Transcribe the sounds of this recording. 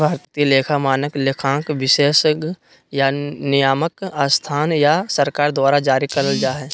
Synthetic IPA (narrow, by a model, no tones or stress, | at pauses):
bʱaːɾt̪t̪ileːkʰamaːnəklekʰãːkʋɪʃeːʃɡ | janɪjaːməkaːst̪ʰaːnjasɐɾkaːɾd̪waːɾad͡ʒaːɾikɐɾəld͡ʒaːɦɛː